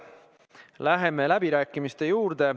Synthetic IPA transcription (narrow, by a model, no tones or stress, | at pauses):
læɦe̞me̞læbiɾæːkːˑimist̪e̞juːɾd̪̥e̞